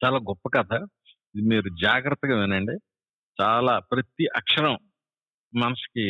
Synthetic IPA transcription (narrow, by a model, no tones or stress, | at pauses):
t͡ʃaːlaːɡɔpːɐkɐd̪aː | id̪imiːɾud͡ʒaːɡɾɐt̪ːɐɡaːʋinɐɳɖe | t͡ʃaːlaːpɾɐt̪iʔɐkʂɐɾɐmː | ɐnɐsi̥ki